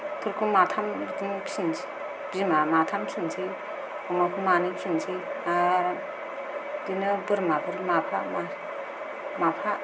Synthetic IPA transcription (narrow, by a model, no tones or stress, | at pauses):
pʰɯɾkʰumatʰamikʰinsi | zimamatʰamkʰinsʰi | ɔmakʰumanikʰinsʰia | dinɯbɯɾmapʰɯɾmapʰama | mapʰa